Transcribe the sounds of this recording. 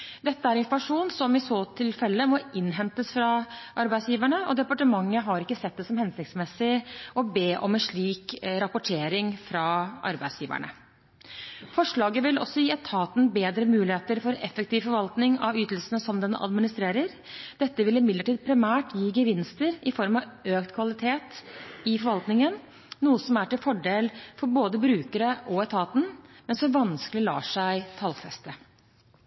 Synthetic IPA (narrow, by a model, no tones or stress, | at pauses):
d̪ɛt̪ːəæɾɪnfɔɾmɑʂuːnsɔmɪsoːt̪ʰɪlfɛlːəmɔʔɪnːɦɛnt̪əsfɾɑʔɑɾbæɪsjiːʋæɳəɔd̪ɛpɑʈəmɑŋːəɦɑɾɪkːəsɛt̪̚d̪ɛsɔmhɛnsɪkt̪smɛsɪʔɔbeːʔɔmɛnʂɭiːkɾɑpʊʈʰeːɾɪŋfɾɑʔɑ̰ɾbæɪd̪sjiːʋæ̰ɳə̰ | fɔʂɭɑːɡəʋɪlɔ̰sːɔjiːɛt̪ʰɑːt̪n̩beːd̪ɾəmʉːlɪheːt̪əɾfɔɾɛfɛk̚t̪ʰiːʋfɔɾʋɑlt̪nɪŋɑ̰ʋyːt̪l̩sənəsɔmd̪ɛnɑ̰d̪mɪnɪst̪ɾeːɾəɾ | d̪̥ɛt̪ːəʋɪlɪmɪd̪ləʈiːd̪̚pʰɾɪmæːʈjiːɡəʋɪnst̪əɾɪfɔɾmɑʋøːkt̪kʰʋɑlɪt̪ʰeːt̪ɪfɔɾʋɑlt̪nɪŋən | nuːəsɔmæʈɪlfɔɖeːlfɔɾboːd̪əbɾʉːkəɾəʔɔɛt̪ʰɑːt̪n̩mɛnsɔmʋɑnsklɪlɑ̰ːʂæɪt̪ʰɑlfɛst̪ə